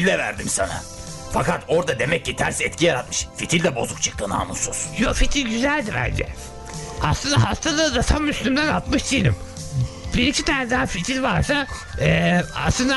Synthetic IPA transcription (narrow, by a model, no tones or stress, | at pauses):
lːʲɛvæ̰ɾd̪imsana̰ | fakat̪ʰo̞ɾd̪ad̪e̞mɛc̚ːit̪ʰæɾsɛt̪̚cʰijaɾat̪̚mɯʃfit̪ʰilʲd̪ɛbo̞̰zuk̚t͡ʃʰɯ̥k̚t̪ʰɯna̰ːmusuz̥jofit̪ʰilʲɟyzælʲd̪ibæ̰nd͡ʒɛ̰ | a̰slˠɯnd̪aɦast̪ʰad̪ad̪at̪ʰamːyslʲymd̪ænalˠt̪mɯʃd̪ʰijlʲḭm | biɾicʰit̪ʰæɾsd̪aafit̪ʰilʲvaɾsa | ɛːa̰slˠɯnd̪a